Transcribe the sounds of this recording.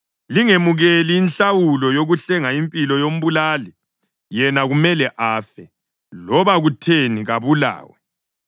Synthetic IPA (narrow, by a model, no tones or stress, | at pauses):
liŋemuɣeliːnɬawulɔjoɣuɬɛŋaimpʼilɔjom̩βulaːli | jɛnaɣumɛlɛʔaːfɛ | lɔβaɣutʰeniɣaβula̰ːwɛ